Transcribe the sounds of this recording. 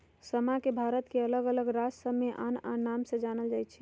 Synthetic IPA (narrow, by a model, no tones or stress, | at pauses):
səmakebʱaɾət̪keələɡələɡɾad͡ʒsəbmeʔa̰nanːamsə̃d͡ʒanəld͡ʒajt͡ʃʰɛ̥